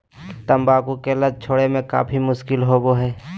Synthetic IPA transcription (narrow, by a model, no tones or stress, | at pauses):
t̪əmbaːkukeləd̪̚t͡ʃʰoːɽemẽka̰ːpʰimʊʃkɪlɦoboɦɛː